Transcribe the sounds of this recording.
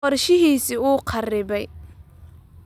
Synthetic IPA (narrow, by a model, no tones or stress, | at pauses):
ɔrʃɪɦiːsiuːqʰɑrɪβɛj